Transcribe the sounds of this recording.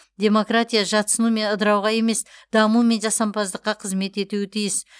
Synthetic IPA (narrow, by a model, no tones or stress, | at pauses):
d̪ʲe̞mo̞krat̪ʲijaʒɑt̪sənume̞nəd̪əɾɑwʁɑje̞me̞sd̪̥ɑmume̞nʒɑsɑmpʰɑzd̪əqːɑqʰəzme̞t̪e̞t̪uwɪt̪ʰijɪs